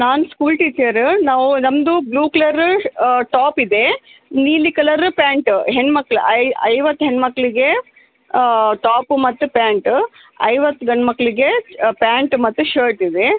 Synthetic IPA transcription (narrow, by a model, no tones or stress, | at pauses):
naːnuskuːlʈiːt͡ʃɐɾnaːʋunɐmd̪ubluːklɐɾʈaːpid̪e̞niːlikɐlɐɾpaːɳʈɦenmɐkːɐɭuɐɐjʋɐt̪ːuɦenmɐkːɐɭiɡe | ʈaːpmɐt̪ːupaːɳʈ | ɐ̰jʋɐt̪ːɡɐɳmɐkːɐɭiɡe̞paːɳʈmɐt̪ːuʃɐːɾʈid̪e